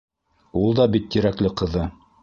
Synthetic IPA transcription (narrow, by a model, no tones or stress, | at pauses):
ulˠd̪ɑbit̪ːiɾæklɘqɤ̆ðɤ